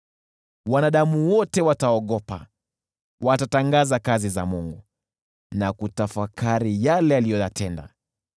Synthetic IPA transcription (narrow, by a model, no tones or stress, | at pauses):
wanaɗamuwɔtɛwataɔɠɔpa̰ | watataŋɡazakazizamuŋɡu | nakutafakaɾijalɛalijɔjatɛnda̰